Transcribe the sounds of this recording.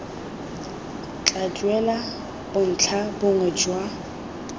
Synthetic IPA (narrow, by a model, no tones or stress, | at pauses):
t͡ɬʼad͡ʒʼwɛla | b̥ʊn̩t͡ɬʰabʊŋɛd͡ʒwa